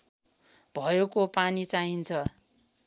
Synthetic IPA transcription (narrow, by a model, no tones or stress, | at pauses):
b̥ʱʌjekopanit͡saɦint͡sʰʌ